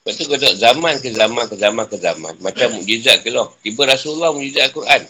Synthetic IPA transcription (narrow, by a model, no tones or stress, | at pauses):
baʔ̚t̪uɡodɔʔzamankəzamankəzamankəzamã̰nmat͡ʃamuʔd͡ʒizaʔkəlɔht̪ibəɾasulːɔhmũd͡ʒizaʔkuɾʔan